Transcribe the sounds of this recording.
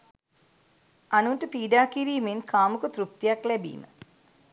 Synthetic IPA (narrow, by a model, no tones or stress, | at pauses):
anunʈəpiːɖaːkiɾiːmenkʰaːmukət̪ɾup̚t̪ijaklæbḭːmə̰